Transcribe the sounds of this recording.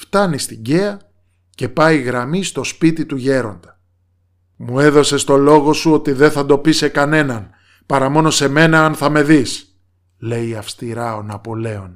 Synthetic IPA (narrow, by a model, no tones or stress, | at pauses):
ft̪ɐnist̪iɲɟe̞ɐ | ce̞pɐjɣɾɐmist̪o̞spit̪it̪uʝe̞ɾo̞nd̪ɐ | mue̞ðo̞se̞st̪o̞lo̞ɣo̞suo̞t̪iðe̞nθɐd̪o̞pise̞kɐne̞nɐn | pɐɾɐmo̞no̞se̞me̞nɐɐnθɐme̞ðis | le̞jiɐfst̪iɾɐo̞nɐpo̞le̞o̞n